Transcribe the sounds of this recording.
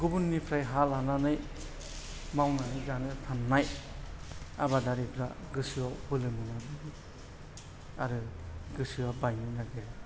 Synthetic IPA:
ɡubunːipʰɾajɦalananɯj | mawnanɯjzanɯɾtʰanːaj | a̰badaɾipʰɾa̰ɡɯsɯabɯlɯminabɯɡɯ | aɾɯɡɯsɯabajninaɡeɾ

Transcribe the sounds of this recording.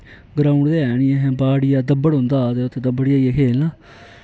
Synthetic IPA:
ɡɾãːʊɳɖd̪eːɛːnɪɛ̃ːɦɛ̃baːɽɪjaːd̪əbːəɽɦʊ̃nd̪aːt̪eːʊt̪ʰːeːd̪əbəɽɪjaːieːkʰeːlnãː

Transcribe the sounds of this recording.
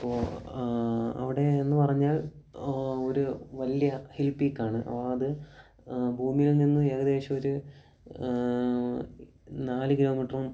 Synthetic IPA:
ɐpːoː | ɐ̰ʋiɽe̞ːnːɨpɐrɐɲːaːl | oɾuʋɐljɐhilpiːkːaːɳɨʔɐ̰ʋaɐðɨ | bʱuːmijilninːɨeːɣɐðe̞ːɕɐmo̞ɾu | naːlɨkilo̞ːmiʈːrum

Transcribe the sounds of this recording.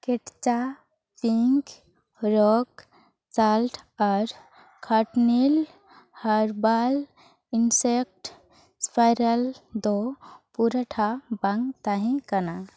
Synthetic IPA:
keʈt͡ʃa | piŋk | ɾɔk | t͡salʈɔɾ | kʰaʈnil | həɾbal | insek̚ʈ | spʰajɾəld̪opuɾəʈʰabaŋɡt̪aɦĩkəna

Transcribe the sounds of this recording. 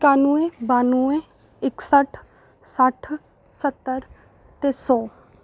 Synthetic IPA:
kaːnũebaːnuẽ | ɪksəʈʰ | səʈʰ | sət̪ːəɾ | t̪eːsɔː

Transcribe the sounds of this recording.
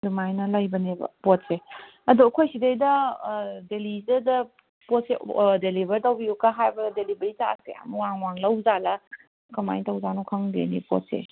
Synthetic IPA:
dumajnɐlajbɐnebɐ̰pot̚se | ɐduɐkʰojsidejdɐ | delidɐdɐ | potsedelibɐɾtawbiukaɦajbɐdelibɐɾita̰sḛa̰muwaŋwaŋlɐwzalɐ | kama̰jtɐwzanukʰaŋdḛnḭpo̰t̚sḛ

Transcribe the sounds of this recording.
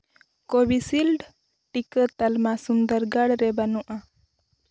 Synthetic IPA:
kobisilɖ | ʈikət̪əlmasund̪əɾɡaɽɾɛbanuʔa

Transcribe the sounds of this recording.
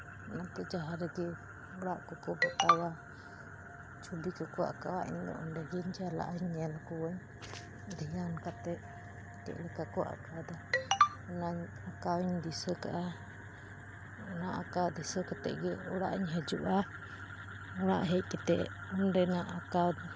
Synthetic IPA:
nat̪ɔd͡ʒaɦaɾɛɡɛ | ɔɽaʔkɔkɔbɔt̪awa | t͡ʃubikɔkɔa̰kawaʔḭɲd̪ɔ̰ʔɔnɖɛɡiɲd͡ʒala̰ʔaɲːɛlkɔwəɲ | d̪ʱijankat̪ɛʔ̚ | it̪ɛ̰ʔlɛkakɔʔa̰kawd̪a | naɲ | akawɲd̪isəkaʔa | naʔakawd̪isəkat̪ɛ̰ʔɡɛɔɽa̰ʔɲɦəd͡ʒuʔa | ɔɽaʔɦɛc̚kɛt̪ɛʔɔnɖɛnaʔakaw

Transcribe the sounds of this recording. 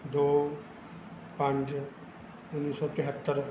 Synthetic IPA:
d̪o | pãnd͡ʒ | unisɔt̪iɦat̪ːaɾ

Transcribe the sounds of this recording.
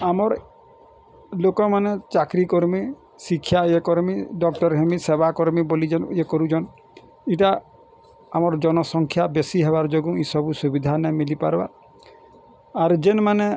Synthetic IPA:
amɔɾ | lokɔmanet͡ʃakɾikoɾmi | sikʰːjaekɔɾmiɖɔk̚ʈɔɾɦemisebakɔɾmibolid͡ʒeniekɔɾud͡ʒɔn | iʈa | amɔɾd͡ʒɔnɔsɔŋkʰjabesiɦebaɾd͡ʒoɡũisɔbusubid̪ʱanamilipa̰ɾba̰ | aɾd͡ʒenmane

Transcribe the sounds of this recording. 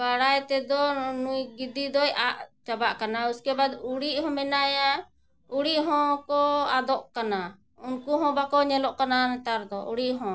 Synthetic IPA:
baɽajt̪ɛd̪ɔnujɡid̪id̪ɔjaʔt͡ʃabaʔkanauskɛbad̪uɽiʔɦɔ̃mɛnaja | uɽiʔɦɔ̃kɔad̪ɔʔkana | unkuɦɔ̃bakɔɲɛlɔʔkananɛ̃t̪aɾd̪ɔʔuɽiʔɦɔ̃

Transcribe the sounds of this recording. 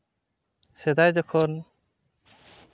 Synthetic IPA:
sɛd̪ajd͡ʒɔkʰɔn

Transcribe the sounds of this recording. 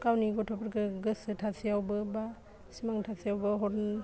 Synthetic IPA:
kawniɡɔtʰɔpʰəɾɡɯɡɯsɯtʰasʰijawbɯba | simaŋtʰasʰijawbɯɦɔɾn

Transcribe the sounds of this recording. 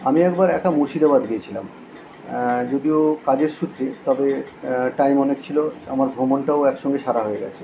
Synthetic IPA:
amiɛkbaɾɛk̚ʈamuɾʃid̪abad̪ɡiet͡ɕʰila̰m | d͡ʑod̪iokad͡ʑeɾʃut̪ːɾit̪ɔbeʈajmɔnekt͡ɕʰiloa̰maɾbʱomonʈaoɛkʃɔŋɡeʃaɾaɦoeɡɛ̰t͡ɕʰe̥

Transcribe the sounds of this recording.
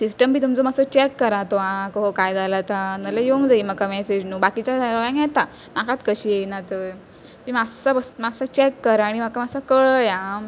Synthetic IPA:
sisʈəmbʱiːt̪umt͡somasɔt͡ɕɛkːəɾat̪oãkoɦokajd͡zalat̪anəlajoŋɡd͡zaiməkamɛsed͡ʑnuːbakit͡ɕad͡zaɾaʋãŋɡjɛt̪a | makat̪kəɕienat̪ə | t̪imasabəsmasat͡ɕɛkːəɾaɽ̃iməkamasakəɭəjã

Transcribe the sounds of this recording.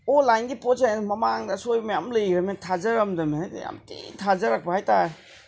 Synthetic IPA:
olajnɡiposenmɐmaŋdɐsojmɐjamləjɾɐmetʰazɐɾɐmdɐmḛja̰mtḭtʰazɐɾak̚bɐhajta

